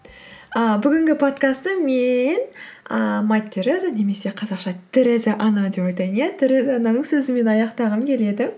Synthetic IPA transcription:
əbʏɡʲɪŋɡʲɪpʰo̞t̪kast̪əmenəmajt̪ʲːeɾezane̞me̞se̞qʰɑzɑqʃɑt̪ʰɪɾɪzɪʔɑnɑd̪e̞pojt̪ɑjənjat̪ʰɪɾɪzɑnɑnəɴsɵzɪme̞nɑjɑqt̪ɑʁəmkʲʰe̞le̞d̪ɪ

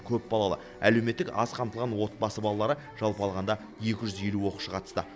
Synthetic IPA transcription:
kʲʰɵp̚bɑlˠɑlˠə̰ | æle̞wme̞t̪ːɪkɑ̰sqʰɑmt̪əlˠʁɑnwo̞t̪̚bɑsəbɑlˠɑlˠɑɾə | ʒ̥ɑlˠpɑlˠʁɑnd̪ɑ | je̞kʲɪʒʏzje̞luwo̞quʃəqʰɑt̪ə̥st̪ə

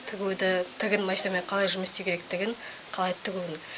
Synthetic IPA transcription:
t̪ʰɪɡʲud̪ɪt̪ʰɪɡʲɪnmɑjsɑmeɴqʰɑlˠɑjʒʏməst̪ewkʰʲeɾek̚t̪ɪɡʲɪn | qʰɑlˠɑjt̪ʰɪɡʲunɪ

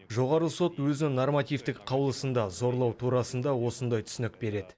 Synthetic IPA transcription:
ʒo̞ʁɑɾəso̞t̪wɵzɪnɪnormat̪ʲijft̪ɪkqʰɑwəlˠəsənd̪ɑzo̞ɾlˠɑwt̪ʰuɾɑsənd̪ɑwo̞sənd̪ɑjt̪ʰʏ̥sɪnɪk̚be̞ɾe̞d̪ɪ

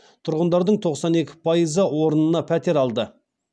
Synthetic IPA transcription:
t̪ʰʊɾʁənd̪ɑɾd̪əɴt̪ʰo̞qsɑne̞kʲɪ̥pʰɑjəzəwo̞ɾənənɑpʰæt̪e̞ɾɑlˠd̪ə

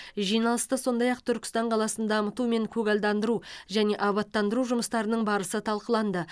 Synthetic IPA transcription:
ʒijnɑlˠəst̪əso̞nd̪ɑjɑq̚t̪ʰʏɾkʲɪ̥st̪ɑɴqʰɑlˠɑsənd̪ɑɑmət̪ume̞ŋkʲʰɵɡɑld̪ɑnd̪əɾuʒæne̞ʔɑβɑt̪ːɑnd̪əɾuʒʊməst̪ɑɾənəɴbɑɾəsət̪ʰɑlˠqəlˠɑnd̪ə

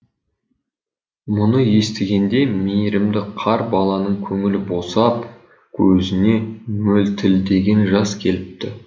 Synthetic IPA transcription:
mʊnəje̞st̪ɪɡʲe̞nd̪e̞mejɾɪmd̪ɪqʰɑɾbɑlˠɑnəɴkʲʰɵŋɪlɪbo̞sɑp | kʲʰɵzɪne̞mɵlt̪ʰɪld̪e̞ɡʲe̞nʒɑskʲʰe̞lɪp̚t̪ɪ

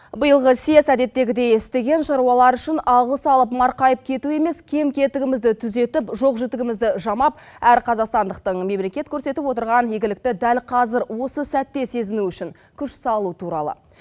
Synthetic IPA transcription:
bəjəlˠʁəse̞sæd̪e̞t̪ːe̞ɡʲɪd̪e̞jɪst̪e̞ɡʲe̞nʃɑɾuwɑlˠɑɾʏʃɪnɑlˠʁəsɑlˠəpmɑɾqɑjəp̚kʲʰe̞t̪ue̞me̞skʲʰe̞mkʲʰe̞t̪ɪɡʲɪmɪzd̪ɪt̪ʰʏze̞t̪ɪpʒo̞qʒɪt̪ɪɡʲɪmɪzd̪ɪʒɑmɑp̚ | æɾqʰɑzɑqst̪ɑnd̪əq̚t̪əɴme̞mle̞kʲe̞t̪kʲʰɵɾse̞t̪ɪpwot̪əɾʁɑnjeɡʲɪlɪk̚t̪ɪd̪ælqʰɑzɪɾwo̞səsæt̪ːe̞se̞zɪnuʏʃɪŋ | kʲʰʏʃsɑlˠut̪ʰuɾɑ̰lˠə̰

